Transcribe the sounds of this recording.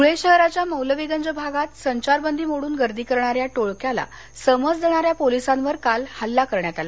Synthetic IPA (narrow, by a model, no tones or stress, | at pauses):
uɭeɕəɦɾat͡ɕjaməwləʋiɡənd͡zəbʱaɡat̪səɲt͡ɕaɾbənd̪ʱiːmoɽuːnɡəɾd̪iːkəɾɳaɾjaʈoɭkjala̰ | səməd͡zd̪eɽ̃aɾjapolisãnʋəɾkalhalːakəɾɳjat̪ala